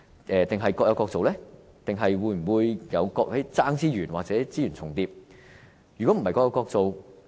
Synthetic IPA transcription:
ʔɛː˨t̪ɪ˨ŋɦɐ˨jkɔː˧k̚jɐ˧wkɔː˧k̚t͡so˨wlɛː˥ | t̪ɪ˨ŋɦɐ˨jwuː˨˧jm̩˨˩wuː˨˧jjɐ˨˧wkɔː˧k̚hɐ˨˥jt͡saː˥ŋt͡siː˥jyː˨˩nwa̰ː˨k̚t͡sɛː˨˥t͡siː˥jyː˨˩nt͡sʰʊ˨˩ŋt̪iː˧p̚ | jyː˨˩kɔ˨˥m̩˨˩hɐ˨˩jkɔː˧˥jɐ˧wkɔː˧k̚t͡so˨w

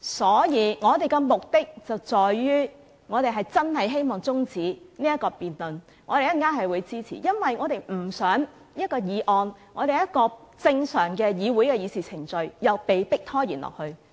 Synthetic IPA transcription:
sɔː˨˥jiː˨˧ŋɔː˨˧t̪e˨jkɛ˧mʊ˨k̚t̪ɪ˥k̚t͡sɐ˨wt͡sɔː˨jɥyː˥ | ŋɔː˨˧ɾe˨jɦɐ˨˩jt͡sɐ˥nhɐ˨jɦe˥jmɔː˨ŋt͡sʊ˥ŋt͡siː˨˥niː˥jɐ˥t̚kɔː˧piː˨nlɵ˨n | ŋɔː˨˧t̪e˨jɐ˥nkaː˥nɦɐ˨jwuː˨˧jt͡siː˥t͡sʰḭ˨˩jɐ˥nwɐ˨jŋɔː˨˧ɾe˨jm̩˨˩sœː˨˥ŋ | jɐ˥t̚kɔː˧jiː˨˧ʔɔː˧nŋɔː˨˧t̪e˨jɐ˥t̚kɔː˧t͡sɪ˧ŋsœː˨˩ŋkɛː˧jiː˨˧wuː˨˥jkɛː˧jiː˨˧siː˨˩t͡sʰɪ˨˩ŋt͡ʃɵ˨ɥjɐ˨wpe˨jpɪ˥k̚t̪ʰɔː˥jḭː˨˩nlɔ̰ː˨k̚hɵ˧ɥ

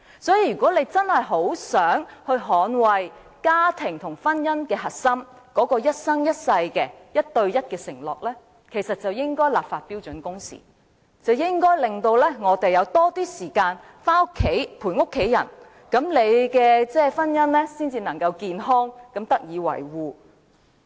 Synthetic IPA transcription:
sɔː˨˥jiː˨˧ɥy˨kɔː˨˥le˨˧jt͡sɐ˥nhɐ˨jɦo˨˥wsœː˨˥ŋhɵ˧ɥɦɔː˨˥nwɐ˨j | kaː˥t̪ʰɪ˨˩ŋt̪ʰʊ˨˩ŋfɐ˥njɐ˥nkɛː˧ɦɐ˨t̚sɐ˥m | kɔː˨˥kɔː˧jɐ˥t̚sɐ˥ŋjɐ˥t̚sɐ˧jkɛː˧jɐ˥t̚t̪ɵ˧ɥjɐ˥t̚kɛː˧sɪ̰˨˩ŋlɔ̰ː˨˩k̚lɛː˥ | kʰe˨˩jsɐ˨t̚t͡sɐ˨wjɪ˥ŋkɔː˥jlaː˨p̚faː˨t̚pi˥wt͡ʃɵ˨˥nkʊ˥ŋsḭː˨˩ | t͡sɐ˨wjɪ˥ŋkɔː˥jlɪ˨ŋt̪o˧wlɛː˥ŋɔː˨˧t̪e˨jɐ˨˧wt̪ɔː˥t̪iː˥siː˨˩kaː˧n | faː˥ʊ˥kʰːe˨˥jpʰuː˨˩nŋʊ˥kʰːe˨˥jɐ̰˨˩n | kɐ˨˥mle˨˧jkɛː˧t͡sɛː˥fɐ˥njɐ˥nlɛː˥siː˥nt͡siː˧nɐ˨˩ŋkɐ˧wkiː˧nɦɔː˥ŋkɐ˨˥mt̪ɐ˥k̚jiː˨˧wɐ̰˨˩jwuː˨

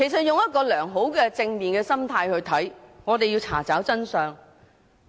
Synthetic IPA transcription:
kʰe˨˩jsɐ˨t̚jʊ˨ŋjɐ˥t̚kɔː˧lœː˨˩ŋɦo˨˥wkɛː˧t͡sɪ˧ŋmiː˨nkɛː˧sɐ˥mt̪ʰaː˧jhɵ˧ɥt̪ʰɐ˨˥jŋɔː˨˧t̪̬e˨jiː˧wt͡sʰa̰ː˨˩t͡saː˨˥wt͡sɐ˥nsœː˨˧ŋ

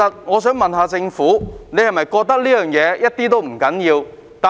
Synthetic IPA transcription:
ɐ˨t̚ŋɔː˨˧sœː˨˥ŋmɐ˨nɦaː˨˧t͡sɪ˧ŋfuː˨˥ne˨˧jhɐ˨˩mɐ˨jkɔː˧k̚t̪ɐ˥k̚liː˥jœː˨ŋjɛː˨˧jɐ˥t̚t̪iː˥t̪o˥wm̩˨˩kɐ˨˥njiː˧w | t̪aː˨

